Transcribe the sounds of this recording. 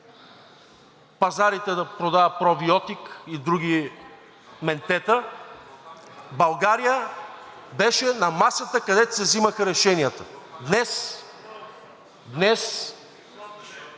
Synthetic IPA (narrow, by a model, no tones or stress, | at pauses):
pɐzaɾit̪ɛd̪ɐpɾod̪avəpɾobiɔt̪ikid̪ɾuɡ̟i | mɛnt̪ɛt̪ə | bɐlˠɡaɾijə | bɛʃɛnɐmasət̪əkɐd̪ɛt̪o̥sɛziməxəɾɛʃɛnijət̪əd̪nɛs | d̪nɛs